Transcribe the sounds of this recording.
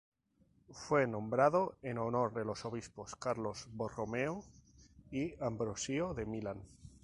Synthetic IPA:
fwe̞nõ̞mbɾaðo̞eno̞no̞ɾðe̞lo̞so̞βispo̞skaɾlo̞zβoromeo | iambɾosioðe̞milan

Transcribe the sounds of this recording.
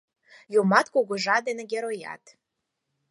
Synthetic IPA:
jomɑt̪koɣoʒɑd̪eneɡʲeɾojɑ̰t̪

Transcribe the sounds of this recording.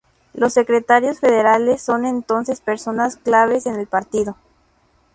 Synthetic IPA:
lo̞sːe̞kɾet̪aɾjo̞sfeðe̞ɾale̞sːo̞nent̪o̞nse̞spe̞ɾso̞nasklaβ̞esene̞lpaɾt̪iðo̞

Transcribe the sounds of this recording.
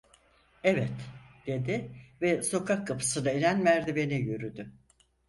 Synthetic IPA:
ɛvɛt̪d̪̥e̞d̪ɪvɛso̞kʰakʰːapʰɯ̥sɯnaelænmæɾd̪ibe̞nijøɾyd̪ʏ

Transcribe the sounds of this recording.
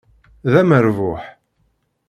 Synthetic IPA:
ðæməɾvʊħ

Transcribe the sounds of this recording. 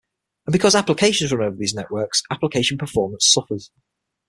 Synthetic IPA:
ə̃nbɪkʰɒzaplɪkʰeɪʃə̃nzɹə̃noʊvəðiːznɛʔwɜˑksaplɪkʰeɪʃə̃npʰəfɔːmə̃nsʊfəz̥

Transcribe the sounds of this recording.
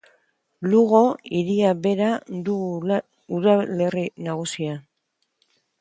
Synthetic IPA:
luɣoiɾiaβe̞ɾad̪u | uðale̞rinaɣ̞usia

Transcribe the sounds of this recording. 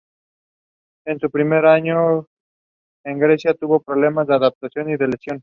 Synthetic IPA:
ensupɾimeɾaɲo | eŋɡɾesjat̪uβopɾoβlemazd̪eaðap̚t̪asjoniðelesjon

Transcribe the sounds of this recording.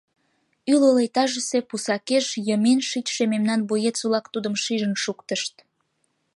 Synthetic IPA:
ylolejt̪ɑʒəse̽pusɑkeʃjəmenʃit̪ʲʃememnɑnbojet͡sulɑkt̪ud̪əmʃiʒənʃukt̪əʃt̪

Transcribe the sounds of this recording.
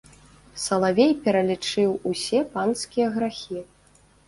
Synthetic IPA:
sɐlˠavʲejpʲɛɾɐlʲit͡ʂɨwusʲɛpanskʲijɐɣɾaxʲi

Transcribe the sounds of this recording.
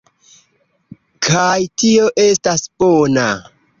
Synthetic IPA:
kʰajtio̞ʔe̞stasb̥ona

